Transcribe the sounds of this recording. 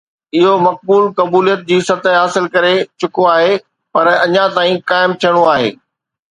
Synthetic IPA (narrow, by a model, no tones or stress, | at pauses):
ɪɦomɐk̚buːlkɐbuːlijət̪̚d͡ʑiːsɐt̪əɦaːsɪlkɐɾet͡ɕʊkoaːɦe | pɐɾɐɲãt̪aːĩkaːɪmt̪ʰijəɽ̃oaːɦḛː